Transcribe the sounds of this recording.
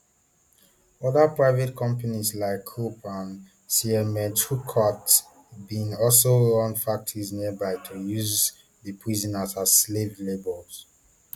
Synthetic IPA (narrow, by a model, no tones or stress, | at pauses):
ɔðəpɹaɪvetkʰɔ̃mpanizlaɪkʰːupʰãn | siɛmɛ̃tʰukʰɔts | bĩnɔlsoɔ̃nfak̚tʰɔɹizniəbaɪtʰujuz | ðəpʰɹizɔnasazslevlebəls